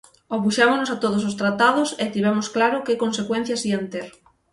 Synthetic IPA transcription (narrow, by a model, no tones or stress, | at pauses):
opuʃamonosat̪oðosost̪ɾat̪aðʊset̪iβɛmʊsklaɾʊkɪkonsekwen̟θjasiant̪eɾ